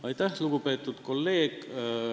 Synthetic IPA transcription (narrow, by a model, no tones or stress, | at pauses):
ɑjt̪æhluɡ̥upe̞ːt̪ːˑud̪̥ko̞lːe̞ːɡ̥